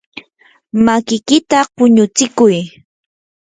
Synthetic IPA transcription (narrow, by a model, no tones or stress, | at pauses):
makɪkɪt̪apʊɲʊt͡sɪkʊj